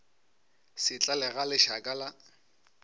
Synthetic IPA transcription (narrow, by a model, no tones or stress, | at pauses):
sɪt͡ɬʼalɛɣalɪʃakʼala